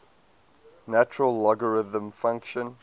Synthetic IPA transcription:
næt͡ʃəɹəlːɔɡəɹɪðə̃mfãŋkʃə̃n

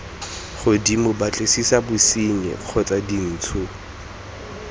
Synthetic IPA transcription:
χʊdimʊbat͡ɬʼesisabʊsiɲɛ̰q͡χʰɔt͡sʼadin̩ːt͡sʰʊ

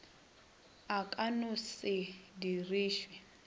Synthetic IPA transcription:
akʼanʊsɪdiriːʃwi

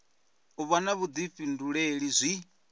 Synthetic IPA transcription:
uβanaβud̪ifinduɺeɺizʷi

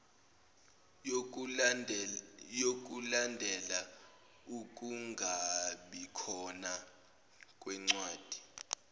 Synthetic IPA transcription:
jok̬ʼulandʱɛla | uk̬ʼuŋɡʱaɓikʰɔna | kʼwɛŋ͡ǀwaːd̥ʱi̥

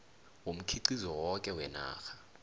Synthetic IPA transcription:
wom̩kʰiǀizɔwɔkʼɛwɛna̰ːxḁ

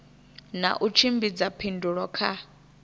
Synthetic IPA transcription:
na̰ʔut͡ʃʰimbid͡zapʰinduɺɔkʰa

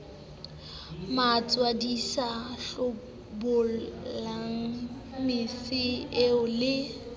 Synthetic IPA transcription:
mat͡sʼwadisaɬʊ | bʊlaŋ̩ | misɪɪʊlɪ

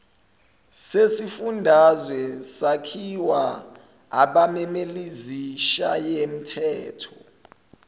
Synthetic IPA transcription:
sesifundʱazwɛsakʰiwa | aɓamɛmeliziʃajem̩tʰɛːtʰɔ

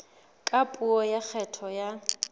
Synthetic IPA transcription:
kʼapʼuɔjak͡xʰɛtʰɔja

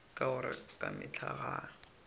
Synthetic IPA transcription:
kʼaʊɾɪkʼamɪt͡ɬʰaɣa

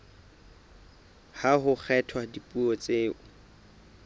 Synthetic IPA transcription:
haɦʊk͡xʰɛtʰwadipʼuɔt͡sʼeːʊ

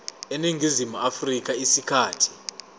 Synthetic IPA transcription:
eniŋɡʱizimuafrik̬ʼaisikʰaːtʰi̥

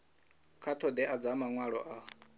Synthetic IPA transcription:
kʰat̪ʰɔd̪ɛʔad͡zamaŋwaɺɔ̰ʔa

